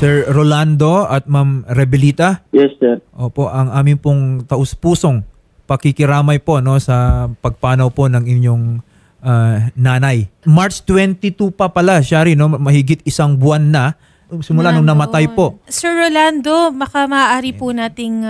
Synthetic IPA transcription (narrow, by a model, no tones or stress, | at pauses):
sɛɹɾoland̪o̞ɐt̪̚mɐmɾɛbɪliːt̪ɐjɛsːɛɾʔoːpo̞ʔɐŋʔaːmɪnpoŋt̪ɐʔospuːso̞ŋ | pɐkɪkɪɾaːmɐjpo̞ʔno̞sɐpɐɡ̚paːnɐwpo̞nɐŋɪɲjo̞ŋ | ʔanaːnɐjmaɹt͡ʃt̪wɛnt̪it̪upɐpɐlaʃaɾino̞mɐhɪɡɪt̪̚ɪsɐŋbʊanːɐ | ʊŋsɪmʊlanʊŋnɐmɐt̪ajpo̞sɛɹɹoland̪omɐkamɐʔaʔaːɾipʊnaːt̪ɪŋ